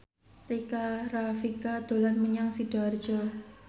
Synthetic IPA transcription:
rikarafikad̪̥o̤lanməɲaŋsid̥ardd͡ʒɔ

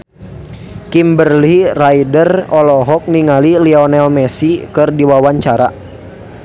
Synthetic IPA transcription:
kimbərliraidərɔlɔɦɔk̚niŋaliliɔnɛlmɛsikɨrdiwawaɲt͡ʃaɾa̰

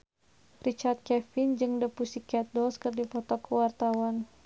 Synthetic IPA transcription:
rit͡ʃart̪̚kɛfɪnd͡ʒɨŋdəpusikɛt̪̚dɔlskɨrdipɔt̪ɔkːəwart̪awan

